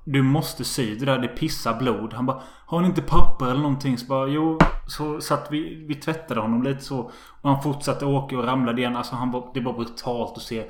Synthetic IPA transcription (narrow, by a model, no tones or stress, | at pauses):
d̪ɵmɔst̪əsyːd̪ɛd̪æːɾd̪ɛpʰɪsːabluːd̪hanbɑː | haɾhanɪnt̪əpʰapːəɾɛlːəɾɳɔnt̪ʰɪŋːsɔbɑːjuːsɔsat̪ːvɪvɪt̪ʰvɛt̪ːad̪əhɔnːɔmliːt̪ə̥sɔ | ɔhanfʊʈʂat̪ːəoːkaɔɾamlad̪əɪjɛnːalsɔɦanvad̪ɛbɑːɾbɾɵt̪ʰɑːlt̪ɔseː